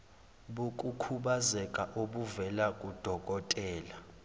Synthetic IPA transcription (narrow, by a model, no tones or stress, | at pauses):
ɓukʼukʰuɓazɛkʼaʔoɓuvɛlakʼud̥ʱɔk̬ʼɔtʼɛːla